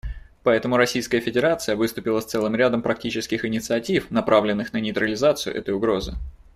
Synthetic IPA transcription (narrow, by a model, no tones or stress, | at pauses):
pɐɛt̪əmʊɾɐsʲijskəjəfʲɪdʲɪɾat̪sɨjəvɨst̪ʊpʲɪlˠəst̪sɛlˠɨmɾʲad̪əmpɾɐk̚tʲit͡ɕɪskʲɪxɪnʲɪt̪sɨɐtʲifnɐpɾʔavlʲɪnːɨxnənʲɪjt̪ɾəlʲɪzat̪sɨjʊ̰ʔɛ̰t̪əjʊɡɾo̞zɨ̰